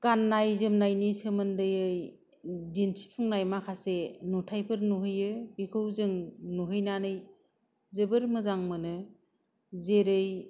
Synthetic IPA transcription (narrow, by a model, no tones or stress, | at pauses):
ɡ̥anːajzɯmnajnisɯmɯndɯjɯj | dintʰi̥pʰɯŋnajmakʰasenɔtʰajpʰɯɾnuɦɯjɯbikʰɯwzɯŋnuɦɯjnanɯj | zɯbɯɾmɯzaŋmɯnɯ | zeɾɯj